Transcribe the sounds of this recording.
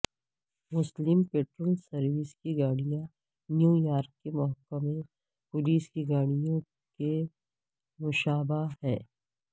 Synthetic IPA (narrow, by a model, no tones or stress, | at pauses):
mʊslɪmpeːʈɾoːlsɐɾwiskiɡaːɽ̃ijã | njũːjaːɾkkemɔɦəkːəmẽ | pʊliːskiɡaːɽ̃ijõ | ke | mʊʃaːbaɦɛː